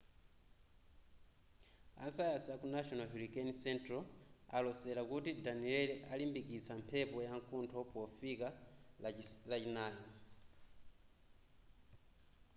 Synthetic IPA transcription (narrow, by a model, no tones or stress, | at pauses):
a̰sajasakunaʃɔnalɦulikɛnsɛntɾɔa̰lɔsɛɾakutidaniɛlʔalimbikit͡sampʰɛpɔjaŋkuntʰɔpɔfika | lat͡ʃinaːja